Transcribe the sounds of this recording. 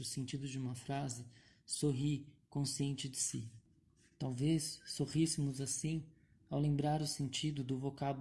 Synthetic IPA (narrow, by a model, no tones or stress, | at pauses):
ʊsẽnt͡ʃid̪ʊd͡ʒɪũmɐfɾazɪ | soɦikõsiẽnt͡ʃɪd͡ʒɪsḭ | t̪awvesːohisɪmʊzasĩ | awlẽmbɾaɾʊsẽnt͡ʃid̪ʊd̪ʊvokab